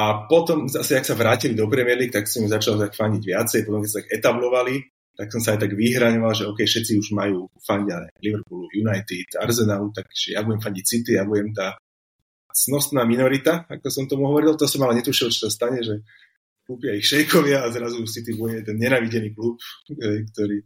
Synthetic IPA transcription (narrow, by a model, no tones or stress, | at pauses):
apɔt̪ɔmzasɛaksaʋɾaːcilid̪ɔpɾɛmɪɛliːk̚t̪aksɔmzat͡ʃalt̪akfaɲɟiɟʋɪat͡sɛjpɔt̪ɔmkɛtsat̪aɡɛt̪ablɔʋali | t̪aksɔmsaajt̪aɡʋiɦɾaɲɔʋalʒɛɔʊkɛjfʃɛt̪t͡siuʒmajuːfaɲɟaɛliʋɾpulujunajt̪it̪aɾzɛnalut̪aɡʒ̥ɛjabuɟɛmfaɲɟic̚sit̪iabuɟɛmt̪aː | snɔst̪naːminɔɾit̪aakɔsɔmt̪ɔmuɦɔʋɔɾilt̪ɔasɔmalɛɲɛt̪uʃilt͡ʃɔ̥sast̪aɲɛʒɛ | kuːpɪaixʃɛjkʰɔʋɪaːzɾazusit̪ibuɟɛt̪ɛnɲɛnaːʋiɟɛniːkluːpɦɛjkt̪ɔɾiː